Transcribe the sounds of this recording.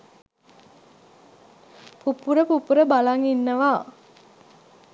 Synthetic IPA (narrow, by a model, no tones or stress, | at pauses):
pupuɾəpupuɾəbalaŋinːəʋa